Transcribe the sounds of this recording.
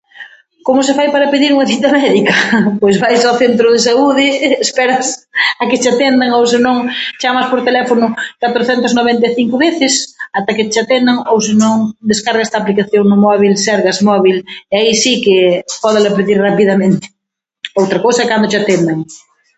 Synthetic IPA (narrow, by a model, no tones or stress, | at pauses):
komʊs̬ɪfajpaɾɐpeðiɾuŋɐθit̪amɛðikɐpojzβajsawθent̪ɾʊðesauðɪːspɛɾɐsɐkɪt͡ʃat̪end̪aŋowsenõŋt͡ʃamaspoɾt̪elɛfonʊkat̪ɾoθɛnt̪aznoβeɛnt̪aθiŋkʊβeθɪsat̪akɪt͡ʃat̪end̪aŋows̬enõŋd̪eskaɾɣaɛst̪aplikaθjoŋnʊmɔβ̞ilsɛɾɣasmɔβilaisikɪpɔðalapeðiɾrapiðamẽnt̪ɪ̥ | owt̪ɾakowsɐkand̪ʊt͡ʃat̪end̪aŋ